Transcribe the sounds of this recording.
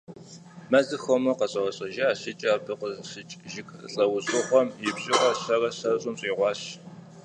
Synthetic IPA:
mɐzɨxomɨqɐɕʼɐwɐɕʼɐʒɐaːɕɪt͡ʃʼaːbɨqəɕɪt͡ʃʼʒɪkɬʼɐwzʼɨχʷɔmjɪbɕʼɪʔɔɕɐrɐɕɐrɕʼʊmɕʼiːʁʷɑːɕ

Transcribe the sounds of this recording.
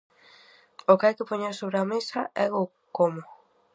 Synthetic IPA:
ʊkeajkɪpoɲeɾsoβɾeamesɐɛɣʊ | komʊ

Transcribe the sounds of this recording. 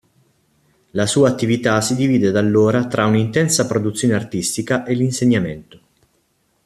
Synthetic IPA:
lasuːaːt̪ːivit̪asid̪iviːd̪ed̪alːoːɾat̪ɾʔaunint̪ɛnsapɾod̪ut̪sːjoːneart̪ist̪ikaʔelinseɲːamɛnt̪o̥

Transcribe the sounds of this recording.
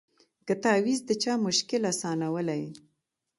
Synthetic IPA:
kət̪ɑwizd̪ət͡ʃɑmʊʃkɪlasɑnawəlaj

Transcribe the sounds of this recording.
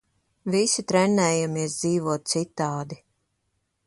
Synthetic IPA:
visit̪ɾɛnːɛːjamiɛsd̪ziːvuɔt̪̚t̪sit̪ːaːd̪i

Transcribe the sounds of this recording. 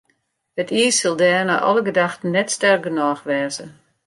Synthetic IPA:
hətʰiːsɪlˠdɛːrna̰ʔɔ̰ləɡədaxtən̩ːɛtstɛrk̚ɡənɔːxʋɛːzə

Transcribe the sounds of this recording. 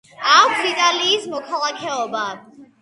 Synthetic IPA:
akkssit̪ʼaliːsmɔkʰalˠakʰɛɔba

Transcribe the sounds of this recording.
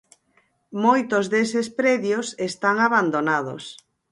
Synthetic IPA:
mojt̪ozðesespɾeðjosest̪aŋaβand̪onað̞o̰s

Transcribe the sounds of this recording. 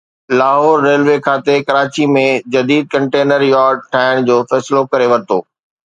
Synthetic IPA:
laːɦɔːɾːeːlʋekʰaːt̪ekɐɾaːt͡ɕimẽd͡ʑɐd̪iːd̪̚kɐ̃ɳʈeːnəɾjaːɾɖ̚ʈʰaːɪɽ̃d͡ʑoːfɛːslokɐɾeʋɐɾɪt̪oː

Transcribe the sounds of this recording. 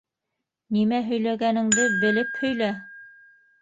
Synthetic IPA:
nimæɦɵ̆jlæɡænɘ̆ŋd̪ɘbɘ̆lɘphɵ̆jlæ

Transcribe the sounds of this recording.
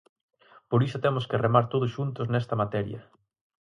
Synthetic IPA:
poɾisʊt̪ɛmʊskeremaɾt̪oð̞ʊsʃunt̪ʊsnɛst̪ɐmat̪ɛɾjɐ̰

